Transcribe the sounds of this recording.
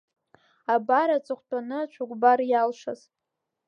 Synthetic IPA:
abaɾat͡sʷʼɨχʷtʼanɨat͡ʃʷʰʊɡʷbarjalʂa̰z

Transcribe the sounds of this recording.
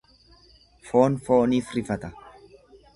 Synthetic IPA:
foːnfoːniːfɾɪfɐt̪ɐ

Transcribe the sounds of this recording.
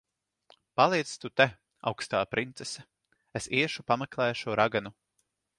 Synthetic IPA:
palˠijt̪st̪ut̪ɛ | a̰wkst̪aːpɾʔint̪sɛsɛ | esiɛʃupamɛklˠɛːʃuɔɾʔaɡanu

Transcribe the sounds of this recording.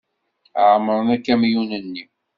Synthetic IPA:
ʕməɾˤənækːæmjunənːi

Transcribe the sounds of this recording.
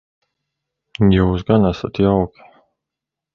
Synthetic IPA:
juːsɡanasat̪jawkʲi̥

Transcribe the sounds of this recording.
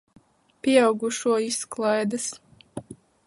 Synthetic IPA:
pʲiɛɑwɡuʃuɔisklˠajd̪as

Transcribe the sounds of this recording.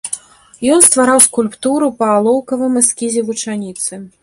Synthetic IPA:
jɔnst̪vaɾawskulʲpt̪uɾupɐːlˠɔwkɐvɨmɨskʲizʲɛvut͡ʂanʲit̪sɨ

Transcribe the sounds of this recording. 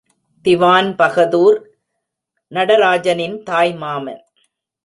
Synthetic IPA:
t̪ɪʋaːnpɐɣɐðuːɾ | nɐɽɐɾaːd͡ʒɐnɪnt̪aːjmaːmɐ̰n

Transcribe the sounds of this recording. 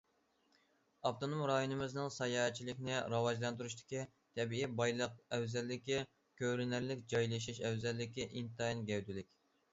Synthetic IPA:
ɑft̪onomɾɑjonɨmɪznɨŋsɑjɑːɦɛt͡ʃʰːilɪkʲnɪɾɑwɑʒlˠɑnt̪uɾuʃt̪ʰɪ̥kʲi | t̪ʰɛbiibɑjlˠəq̚ɛwzælːɪkʲi | kʲøɾɪnæɾlɪkʲd͡ʒɑjlˠɨʃiʃɛwzælːɪkʲiʔint̪ɑinɡʲɛwd̪ylɪkʲ

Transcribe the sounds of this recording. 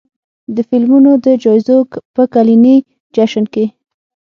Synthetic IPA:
d̪əfɪlmunod̪əd͡ʒɑjzokpəkalini | d͡ʒaʃənke

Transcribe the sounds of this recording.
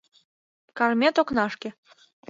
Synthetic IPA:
kɑrmʲet̪oknɑʃkʲĕ

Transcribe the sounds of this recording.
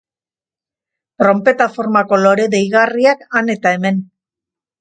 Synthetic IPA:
t̪ɾo̞mpe̞t̪afo̞ɾmako̞lo̞ɾe̞ðejɣariakane̞t̪ae̞me̞n

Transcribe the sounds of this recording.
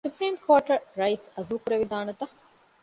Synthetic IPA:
supɾiːmkʰoːʈɐɾɾɐisɐzuːkuɾɐʋid̪aːnɐt̪ɐ

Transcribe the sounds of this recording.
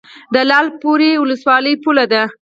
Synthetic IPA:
d̪əlɑlpoɾewʊləswɑləjpulad̪a

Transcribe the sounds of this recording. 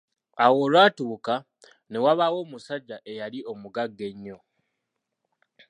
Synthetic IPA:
awo̞ːlwaːtuːka | ne̞waβawo̞ːmusaɟːaʔe̞jaliʔo̞muɡaɡːe̞ɲːo̞

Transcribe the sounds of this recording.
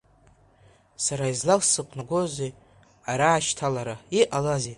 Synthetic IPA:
saɾaizlalsɨqʷʼnaɡozʷe | aɾaːʃtʰalaɾaiʔalaze

